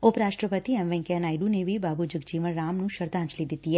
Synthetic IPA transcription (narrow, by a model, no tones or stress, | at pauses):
ʊpɾaːʃʈɾəpət̪iɛ̃mʋɛ̃ŋkeɐnaːɪɖũnebʱibaːbud͡ʒʊɡd͡ʒiːʋənɾaːmnũʃəɾd̪aːə̃nt͡ʃlid̪ɪt̪iɦɛː